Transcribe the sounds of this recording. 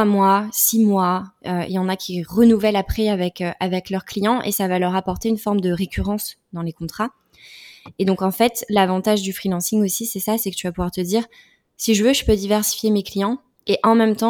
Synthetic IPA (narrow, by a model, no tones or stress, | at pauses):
t̪wamwasimwaøḭljɑ̃nakʲʰiʁənuvɛlapχɛavɛkøʔavɛklœʁklijɑ̃ʔḛsavalœʁapɔʁt̪eynfɔʁməd̪əʁekʲʰyʁɑ̃sd̪ɑ̃lekɔ̃t̪χa | ed̪ɔ̃kɑ̃fɛt̪lavɑ̃t̪aʒd̪yfχilɑ̃siŋosisɛsasɛkət̪yvapuvwaʁt̪əd̪iːʁ | siʒəvøʒəpød̪ivɛʁsi̥fjemeklijɑ̃ | eʔɑ̃mɛmt̪ɑ̃